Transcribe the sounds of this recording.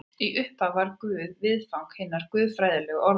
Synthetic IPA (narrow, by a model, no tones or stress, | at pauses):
iʔʏhpavaɾkvʏːðvɪðfawŋkhɪnːaɾ̥kvʏːðfɾaːjðɪlɛɣʔɔɾ